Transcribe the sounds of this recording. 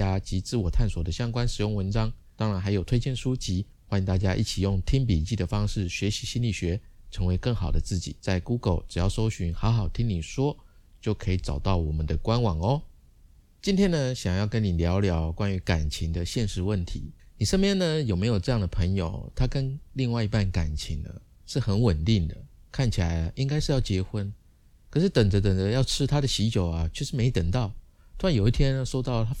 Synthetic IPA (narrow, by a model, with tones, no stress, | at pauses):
a˥t͡ɕi˧˥t͡sɹ̩˥˩wɔ˨˩t̪ʰa˥˩nswɔ˨˩d̪ə˦ɕjɑ˥ŋkwa˥˦nʂɻ̩˨˩jʊ˥˩ŋwə˧˦nʈ͡ʂɑ˥ŋ | t̪ɑ˥ŋɻa˧˥nxa˧˥ɪjo˨˩ʊt̪ʰe˥ɪt͡ɕjɛ˥˩nʂu˥t͡ɕi˧˥ | xwa˥nĩ˨ŋt̪a˥˩t͡ɕja˦˥ʔḭ˥˩t͡ɕʰi˨˩jʊ˥˩ŋt̪ʰi˥ŋp̬i˨˩t͡ɕi˥˩d̪ə˩fɑ˥ŋʂɻ̩˥˩ɕɥɛ˧˥ɕi˧˥ɕi˥nli˨˩ɕɥɛ˧˥ʈ͡ʂʰɤ˧˥ŋwe˧˥ɪkɤ˥˩ŋxɑ˨˩ʊd̪ə˦t͡sɹ̩˥˩t͡ɕḭ˨˩t͡sa˥˩ɪku˥ɡə˨˩ʊʈ͡ʂɻ̩˨˩jɑ˥˩ʊʂo˥ʊɕy˧˥nxɑ˧˥xɑ˨˩ʊt̪ʰi˥ŋni˨˩ʂwɔ˥ | t͡ɕjo˥˩ʊkʰɤ˧˥i˨˩ʈ͡ʂɑ˨˩ʊt̪ɑ˥˩ʊwɔ˨˩mə˦nd̪ə˦kwa˦nwɑ˨˩ŋɔ˦ | t͡ɕi˥nt̪ʰjɛ˥nə˧ɕjɑ˨˩ŋjɑ˥˩ʊkə˦nni˨˩ljɑ˧˥ʊljɑ˧˥ʊkwa˦˥ny˧˥ka˨˩nt͡ɕʰi˧˥ŋd̪ə˧ɕjɛ˥˧nʂɻ̩˧˥wə˥˩nt̪ʰḭ˧˦ | ni˨˩ʂa˥˧nmjɛ˥˨˩nnə˨jo˨˩me˧˥ɪjo˨˩ʈ͡ʂɤ˥˧jɑ˥˩ŋd̪ə˩pʰə˧˥ŋjo̰˨˩ʊt̪ʰa˥kə˦nli˥˧ŋwa˥˧ɪi˧pa˥˩nka˨˩nt͡ɕʰi˧˥ŋnə̰˧ | ʂɻ̩˥˩xə˧˦˥nwə˨˩nt̪i˥˩ŋd̪ə˩kʰa˥˩nt͡ɕʰi˨˩la˧˦ɪ˧ʔi˥ŋka˥ɪʂɻ̩˥˧jɑ˥˩ʊt͡ɕjɛ˧˥xwə˦˥n | kʰə˨˩ʂɻ̩˥˩t̪ə˨˩ŋd͡zə˧˦t̪ə˨˩ŋd͡zə˧˦jɑ˥˩ʊʈ͡ʂʰɻ̩˥t̪ʰa˥d̪ə˨ɕi˧˥t͡ɕjo˨˩ʊa˨˦t͡ɕʰwɛ˥˧˩ʂɻ̩˧˥me˧˥ɪit̪ə˨˩ŋt̪ɑ˥˩ʊ˥ | a˧˥njo˨˩ʊi˥˧t̪ʰjɛ˥n˧ʂo˥ʊt̪ɑ˥˩ʊt̪ʰa˥